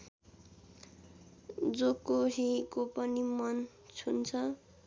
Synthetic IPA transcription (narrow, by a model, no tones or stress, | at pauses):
d͡zokoɦikopʌnimʌn | t͡sʰunt͡sʰʌ